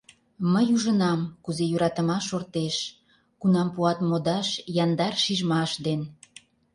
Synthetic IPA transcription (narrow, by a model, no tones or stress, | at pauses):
məjuʒənɑmkuzejuɾɑt̪əmɑʃort̪eʃ | kunɑmpuɑt̪mod̪ɑʃjɑnd̪ɑrʃiʒmɑʃd̪en